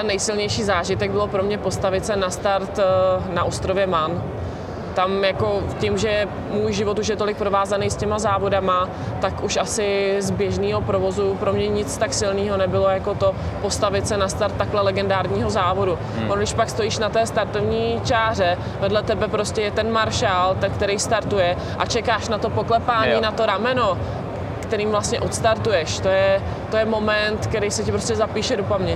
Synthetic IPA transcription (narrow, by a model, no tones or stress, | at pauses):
ɛnːɛjsɪlɲɛjʃiːzaːʒɪt̪ɛɡ̚bɪlo̞pɾo̞mɲɛpo̞st̪avɪt̪sɛnast̪aɾt̪naʔost̪ɾovjɛman | t̪amjako̞cɪmʒɛjɛ | muːjʒɪvo̞t̪uʃ̬jɛt̪o̞lɪk̚pɾo̞vaːzanejscɛmazaːvo̞dama | t̪akuʃʔasɪzbjɛʒniːɦo̞pɾo̞vo̞zupɾo̞mɲɛɲɪt͡st̪aksɪlniːɦo̞nɛbɪlo̞jako̞t̪o̞po̞st̪avɪt̪sɛnast̪aɾt̪ːaklɛlɛɡɛndaːɾɲiːɦozaːvo̞du | vonɡdɪʃpakst̪o̞jiːʃnat̪ɛːst̪aɾt̪ovɲiːt͡ʃaːr̝ɛ | vɛdlɛt̪ɛbɛpɾo̞scɛjɛt̪ɛnmaɾʃaːlt̪ɛnkt̪ɛɾɛjst̪aɾt̪ujɛ | ʔa̰t͡ʃɛkaːʃnat̪o̞poklɛpaːɲiːnat̪o̞ɾamɛno̞ | kt̪ɛɾiːmvlast̪ɲɛʔot̪st̪aɾt̪ujɛʃt̪ojɛ | t̪ojɛmo̞mɛnt̪kɛɾijsɪcɪpɾoscɛzapiːʃɛdopamɲɛ